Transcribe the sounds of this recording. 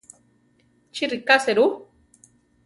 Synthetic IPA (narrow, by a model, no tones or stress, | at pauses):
t͡ʃiɾikaseɾu